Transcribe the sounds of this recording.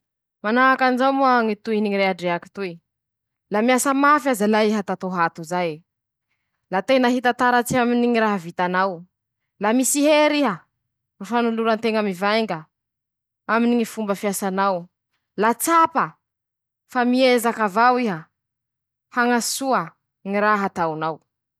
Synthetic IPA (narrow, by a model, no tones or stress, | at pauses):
manaakanzawmoaŋit̪uiniŋiɾeaɖ͡ʐeaki̥t̪ui | lamiasəmafazalaiɦat̪at̪oɦat̪uzaj | lat̪enaɦit̪at̪aɾat͡siaminiŋiɾaɦavit̪anaw | lamisiɦeɾiɦə | afanuluɾant̪eŋamivajŋɡə | aminiɲifumbəfiasanaw | lat͡sapə | famiezakavawiɦə | haŋasuə | ŋiɾaɦat̪awnaw